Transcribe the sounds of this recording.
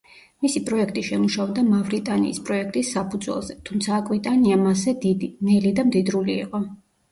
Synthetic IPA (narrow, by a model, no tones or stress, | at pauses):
misipʼɾɔɛkʰt̪ʼiʃɛmuʃaɔbd̪amavɾit̪ʼanḭːspʼɾɔɛk̚ʰt̪ʼisːapʰud̪zwɛ̰lˠzɛt̪ʰumt̪sʰaːkʼvit̪ʼaniamasɛd̪id̪inɛlid̪amd̪id̪ɾulḭːqʼɔ